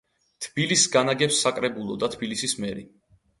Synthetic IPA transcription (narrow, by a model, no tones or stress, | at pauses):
t̪ʰb̥ilisːɡanaɡɛpsːakʼɾɛbulˠɔd̪at̪ʰbilisismɛɾi